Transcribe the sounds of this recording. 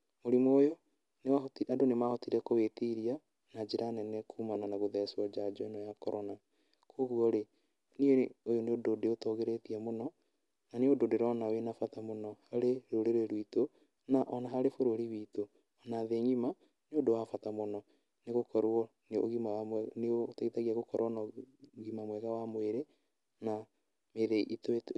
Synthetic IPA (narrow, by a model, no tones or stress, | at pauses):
moɾimoːjo | newaotiadonemahotiɾɛkowetiɾia | nad͡ʒeɾanɛnɛkʰumananaɣoðɛsɔd͡ʒad͡ʒɔnɔjakɔɾɔna | kʰoɣuɔɾe | nieojoneododeotɔɣeɾetiɛmonɔ | naneododeɾɔnawenafatamonɔhaɾeɾoɾeɾeɾwito | naʔɔnaɦaɾefoɾoɾiwito | ɔnaðeɲima | neodowafatamonɔ | neɣokɔɾɔ | neo̰ɣimaaneotaitaɣiaɣokɔɾɔnaɣimamwɛɣawamweɾe | na | meɾeʔitoet